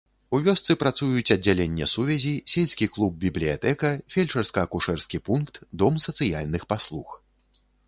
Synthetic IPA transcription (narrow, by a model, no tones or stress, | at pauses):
uvʲɔst̪sɨpɾat̪sujut͡sʲɐd͡zʲalʲenʲːɐsuvʲɛzʲisʲelʲsʲkʲiklˠub̚bʲiblʲija̰t̪ɛkɐfʲelʲt͡ʂɐrskɐːkuʂɛrskʲipunkt̪d̪ɔmsɐt̪sɨjalʲnɨxpaslˠux